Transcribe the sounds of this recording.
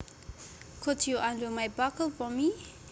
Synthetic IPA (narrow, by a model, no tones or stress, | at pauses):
kʰʊtʰjuʔãndəmajbakəlˠfɔmi